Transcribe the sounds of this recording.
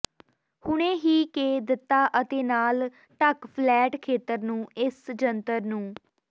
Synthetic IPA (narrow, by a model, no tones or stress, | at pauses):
hʊɳẽːɦiːkeːd̪ɪt̪ːaːʔət̪eːnaːl | ʈəkpʰlɛːʈkʰeːt̪ːəɾnũːɪsd͡ʒənt̪əɾnũː